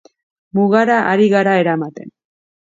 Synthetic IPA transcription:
muɣaɾaʔaɾiɣaɾae̞ɾamat̪e̞̰n

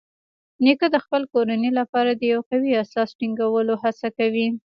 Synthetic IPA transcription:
nekad̪əxpəlkoɾanelapɑɾad̪əjawqawiasɑsʈiŋɡawəlohasakawi

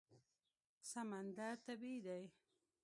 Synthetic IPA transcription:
samand̪at̪abid̪aj

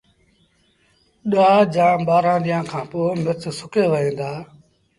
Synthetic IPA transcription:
ɗaːd͡ʒãːɓaːɾãːɗ̪ɪjãːkʰãːpoːmɪtsʊkeːʋəɦẽːnd̪aː

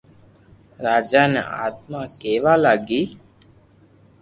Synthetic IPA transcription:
ɾaːd͡ʒaːnə̰ʔa̰ːt̪maːkeːʋaːlaɡiː

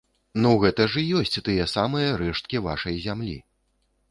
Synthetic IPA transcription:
nuɣɛt̪ɐʐɨjɔsʲt͡sʲt̪ɨjɛsamɨjɐɾɛʂt̪̚kʲiva̰ʂɐjzʲamlʲḭ

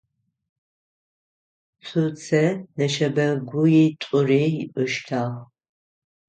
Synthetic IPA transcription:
t͡sʷʰut͡sʰɐnɐʃɐbɐɡʷʊjitʷʼʊreːjɪʔʷʼʊʃtʰaːʁ

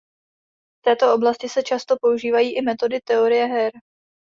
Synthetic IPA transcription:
ft̪ɛːt̪o̞oblascɪsɛt͡ʃast̪o̞po̞uʒiːvajiːʔɪmɛt̪o̞dɪt̪ɛo̞ɾɪjɛɦɛɾ

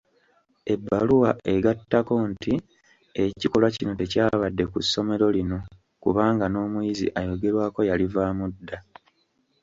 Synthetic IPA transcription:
e̞bːaluwaʔe̞ɡatːako̞nti | eciko̞lwacino̞te̞caːβadːe̞kusːo̞me̞ɾo̞lino̞ | kṵβaːŋɡano̞ːmujizḭʔajo̞ɡe̞ɾwaːko̞jalivaːmudːa

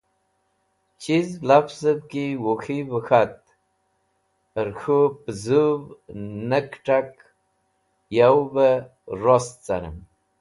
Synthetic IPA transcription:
t͡ɕizlafzəb̚kiwoxibəxat̪̚ | əɾxupzuvnəkʈ͡ʂak | jawbə | ɾost͡saɾə̰m

